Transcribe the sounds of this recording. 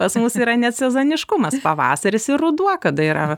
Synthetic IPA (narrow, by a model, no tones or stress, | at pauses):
pɐsmusiːɾɐnʲɛt̪sʲɛzoːnʲɪʃkʊmɐspɐʋɑ̰ːsɐɾʲɪsɪrʊd̪uɔkɐd̪ɐiɾɐ̰ʋɐ